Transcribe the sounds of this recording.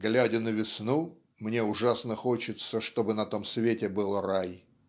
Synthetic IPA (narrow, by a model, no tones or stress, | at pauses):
ɡlʲædʲɪnəvʲɪsnu | mnʲe̞ʊʐasnəxo̞t͡ɕɪt̪səʂt̪o̞bɨnɐt̪o̞msvʲetʲɪbɨlˠraj